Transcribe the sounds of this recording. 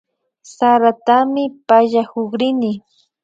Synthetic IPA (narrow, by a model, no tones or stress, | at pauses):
saɾat̪amɪpaʎahoχɾɪnɪ